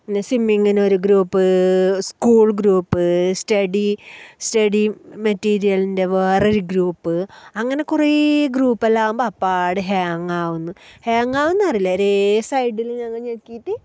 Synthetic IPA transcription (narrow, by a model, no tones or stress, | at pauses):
inːesimːiŋːinoɾuɡɾuːpːɨskuːɭɡɾuːpːɨstɐɽistɐɽimɐtːiːɾijɐlinde̞ʋeːroɾuɡɾuːpːɨɐŋːɐne̞kureɡruːpːɐlːaːʋumbɐpːaːɽɨɦaːŋaːʋunːuhaːŋaːʋunːuɐrilːɐɾesɐjɖiliɲɐŋːɐɲekːiːt̪ːi